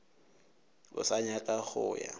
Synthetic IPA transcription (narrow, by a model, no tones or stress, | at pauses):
ʊ̰saɲakʼaχʊːja̰